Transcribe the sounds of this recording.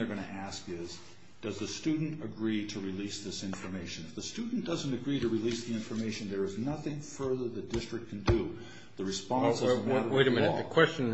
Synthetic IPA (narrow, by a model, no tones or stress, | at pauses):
ə˞ɡʌñɨʔæskɪz | d̥ʌzðɨstʉdⁿn̩tɨɡɹiɾɨɹilisðɪsɪ̃ɱfə˞meɪʃɨ̃nɨfðɨstʉdⁿn̩d̥ʌzə̃n̩tɨɡɹiɾɨɹilisðiɪ̃ɱfə˞meɪʃɨ̃nðə˞ɨznʌθɪ̃ŋfɜ˞ðə˞ðɨd̥ɪstɹ̥ɨk̚kʰn̩dɨ | ðɨɹɨspɑ̃nnsɨzæɾəweɪɾɨmɪ̃nɔðɨkʰw̥ɛst͡ʃɨ̃n